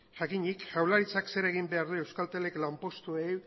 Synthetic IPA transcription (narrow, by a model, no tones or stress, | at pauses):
ʝakiɲikʝawlaɾit͡sakse̞ɾe̞ɣ̞imbe̞aɾðue̞wskalt̪eleklampo̞st̪uej